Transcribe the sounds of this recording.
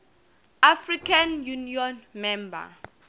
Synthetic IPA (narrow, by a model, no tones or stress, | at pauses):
afrikʰanjuniɔnmɛmba̰